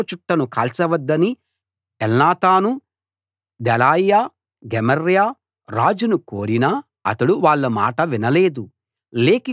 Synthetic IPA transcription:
t͡ʃuʈːɐnukɐːlsɐʋɐd̪ːɐni | ɛlnaːt̪aːnu | d̪ɛlaːjjaː | ɡemɐɾjaː | ɾaːd͡ʒunukoːɾinɐ | ɐ̰t̪ɐɽuʋaːɭːɐma̰ːʈɐʋinɐle̞ːd̪u | leːki

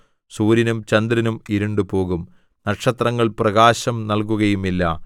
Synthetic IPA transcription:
suːɾinumt͡ɕɐnd̪ɾɐnumiɾuɳɖɨpo̞ːɣum | nɐʈʂɐt̪rɐŋːɐɭprɐɣaːɕɐmnɐlkuɣɐjumilːɐ̰

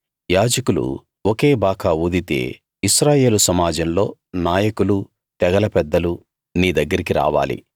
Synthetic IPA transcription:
jaːd͡ʒɐkulṵ | woke̞ːbaːkʰaud̪it̪e̞̰ː | iʃɾaːje̞ːlusɐmaːd͡ʒɐmlo̞ː | naːjɐkulu | t̪ɛɡɐlɐpɛd̪ːɐlu | niːd̪ɐɡːɐɾikiɾa̰ːʋa̰ːlḭ

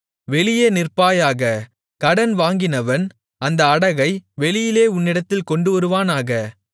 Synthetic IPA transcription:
ʋɛɭɪjeːnɪrpaːjaːɣɐ | kɐɽɐnʋaːŋɡɪnɐʋɐn | ɐnd̪ɐːɽɐɣɐɪʋɛɭɪjɪleːʊnːɪɽɐt̪ːɪlkɔɳɖɯʋɐɾɯʋaːnaːɣɐ

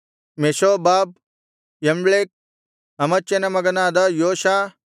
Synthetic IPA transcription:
meʃoːbaːb̚ | jɐmbɭeːk̚ | ɦɐmɐt͡ʃenɐmɐɡɐnaːd̪ɐjoːʃaː

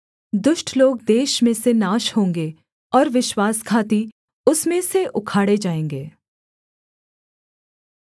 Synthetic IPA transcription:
d̪ʊʃʈʰloːɡd̪eːʃmẽsenaːʃhõːŋɡe | ɔːɾʋɪʃwaːskʰaːt̪i | ʊsmẽseʔʊkʰaːɽed͡ʒaːẽːŋɡeː

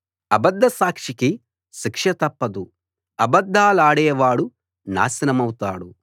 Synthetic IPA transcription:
ɐbɐd̪ːɐsaːkʂiki | ʃikʂɐt̪ɐpːɐd̪u | ɐbɐd̪ʱːaːlaːɽɛːʋaːɽu | na̰ːsɐnɐmɐwut̪aːɽu

